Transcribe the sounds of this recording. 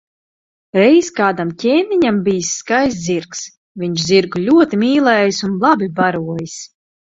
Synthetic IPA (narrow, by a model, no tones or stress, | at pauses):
ɾɛjskaːd̪amcʲeːniɲambijsːkajs̬ziɾks | vʲiɲt͡ʃziɾɡulʲuɔt̪imʲiːlˠɛːjisunlˠabʲibaɾuɔjis